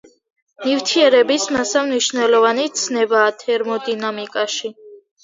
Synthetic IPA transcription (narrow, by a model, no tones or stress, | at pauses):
mivt̪ʰiɛɾɛbismasavniʃvnɛlɔvanit̪sʰnɛbaːt̪ʰɛɾmɔd̪inamikʼaʃi